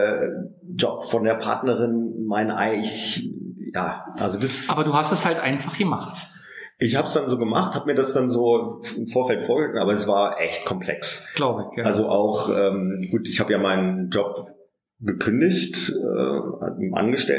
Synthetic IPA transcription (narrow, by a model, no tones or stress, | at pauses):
ɛː | d͡ʒɔpfɔndeːɐpʰa̰ɐtnəʁɪnmaɪnʔa̰ɪɪç | ja̰ːʔalzodasaːbɐduːhastɛshaltʔaɪnfaχɡ̥əmaχt | ʔɪçhaːbəsd̥anzoːɡəma̰χthaːbəmiːɐdasd̥anzoːɪmfoːɐfɛltfoːɐɡəɪmn̩ʔaːbɐɛsv̥aːɐʔɛ̰çtkʰɔmpʰl̥ɛ̰ksɡ̥laʊbəçalzoʔaʊχʔɛːmɡ̥uːtʔɪçhaːbəjaːmaɪnənd͡ʒɔp̚ | ɡəkʰʏndɪçtʔɛ̰ːmʔa̰nɡəʃtɛ̰